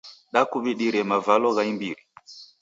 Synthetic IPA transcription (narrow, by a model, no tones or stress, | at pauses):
ɗakuɓiɗiɾɛmavalɔɣaimbiɾi